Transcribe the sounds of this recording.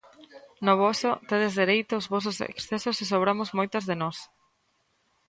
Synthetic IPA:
noβɔsot̪eðezðeɾejt̪ʊːzβɔs̬ʊsḛksθesoses̬oβɾamozmojt̪ozðenɔs

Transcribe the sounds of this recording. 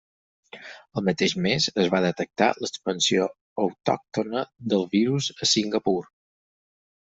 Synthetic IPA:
əlˠmət̪eʒmezəzβaðət̪ək̚t̪a̰ləkspənsio | əwt̪ɔ̰k̚t̪onəd̪əlˠβiɾuzəsiŋɡəpuɾ

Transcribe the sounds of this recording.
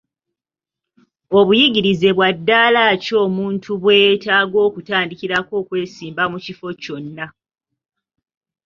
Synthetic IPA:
o̞βujiɡiɾize̞βwadːaːlaːco̞ːmuːntʰuβwe̞ːtaːɡo̞ːkutaːndiciɾako̞ːkwe̞ːsiːmbamucifo̞co̞nːa

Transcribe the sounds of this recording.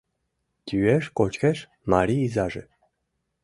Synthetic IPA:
t̪ʲyeʃkot͡ɕkeʃ | mɑɾʲiːzɑʒḛ̆

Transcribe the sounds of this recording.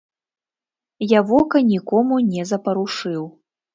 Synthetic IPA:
javɔkɐnʲikɔmunʲɛzɐpɐɾuʂɨw

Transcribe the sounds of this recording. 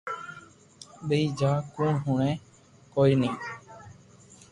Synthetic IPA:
ɓəiːd͡ʒaːkũːɳɦuːɳẽː | koːiːnĩː

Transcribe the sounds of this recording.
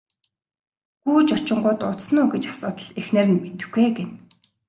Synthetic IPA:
ɡuːt͡ɕɔt͡ɕɪ̆ɴɢʊːt̪ʊt̪snʊːɡet͡ɕḁsʊːt̪ə̆ɮexnerɘ̆nmet̪ɘ̆xɡeːɡen

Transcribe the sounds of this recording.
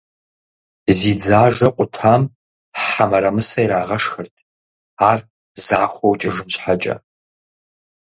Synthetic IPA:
ziːd͡zaːʒɐqʷʼʊtʰaːm | ħamɐɾɐmɨsɐjɾaːʁɐʂxɨrtʰ | aːr | zaːxʷɔwt͡ʃʼɪʒɨnɕħat͡ʃʼɐ̰

